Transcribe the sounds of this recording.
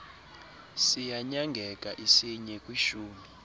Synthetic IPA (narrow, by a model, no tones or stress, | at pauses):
sijaɲaŋɡʱɛkʼaʔisiɲɛkʼwiʃuːmi